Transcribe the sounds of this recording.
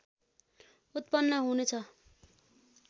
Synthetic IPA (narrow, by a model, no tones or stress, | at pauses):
ut̪̚pʌnːʌɦunet͡sʰʌ